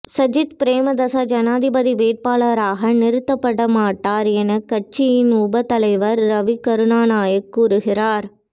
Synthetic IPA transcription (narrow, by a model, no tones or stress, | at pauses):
sɐd͡ʒɪt̪pɪɾeːmɐd̪ɐsɐd͡ʒɐnaːd̪ɪbɐðiʋeːʈ̚paːɭɐɾaːɣɐnɪɾɯt̪ːɐpːɐɽɐmaːʈːaːɾɛnɐkɐʈ̚t͡ʃːɪjɪnʊbɐt̪ɐlɐɪʋɐɾːɐʋikɐɾɯnaːnaːjɐkːuːɾɯɣɪɾaːɾ